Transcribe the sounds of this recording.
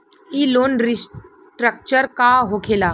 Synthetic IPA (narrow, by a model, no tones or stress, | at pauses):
iloːnɾis | ʈɾək̚t͡ʃəɾkaɦokʰela